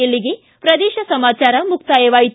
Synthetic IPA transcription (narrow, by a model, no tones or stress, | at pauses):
ɐlːiɡe | pɾɐd̪eːʃɐsɐmaːt͡ʃaːɾɐmuk̚t̪aːjeʋaːjit̪